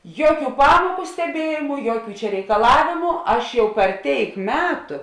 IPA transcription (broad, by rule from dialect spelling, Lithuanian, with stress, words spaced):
ˈjuɔˌkʲuː ˈpɑːmuɔkʊ sʲtʲɛˈbʲiɛjɪmʊ ˈjuɔˌkʲuː t͡ʃʲɛ rʲɛɪkɐˈlˠɑːʋʲeːmʊ ˈɐʃ jɛʊ pʲɛr ˈtʲeːɪk ˈmʲæːtʊ